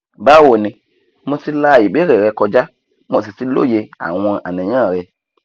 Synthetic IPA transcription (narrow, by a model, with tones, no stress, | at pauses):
ba˦wo˨nĩ˧ | mõ˧si˦la˧˨ji˨ɓe˦ɾe˨ɾɛ˧˦kɔ˧d͡ʒa˦ | mo˨si˨si˦lo̰˦˨je˧a̰˨w̃ɔ̃˧ʔa̰˨nɛ̃˨ɲ̃ã˦˨ɾɛ˧